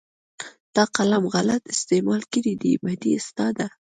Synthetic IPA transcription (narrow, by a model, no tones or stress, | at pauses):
d̪̥ɑqalamɣalat̪ɪst̪emɑlkəɾid̪ḭbad̪iast̪ɑd̪a